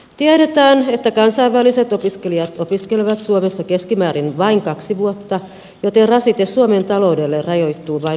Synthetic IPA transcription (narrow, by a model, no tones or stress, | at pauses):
t̪iæɾet̪æːnet̪ːækɑnsɑiʋʋæliset̪opiskelijɑt̪opiskeleʋæt̪suomesːɑkeskimæːɾinʋɑiŋkɑksiʋuot̪ːɑ | jot̪erɑsit̪essuoment̪ɑloudelːerrɑjoit̪ːuːʋɑi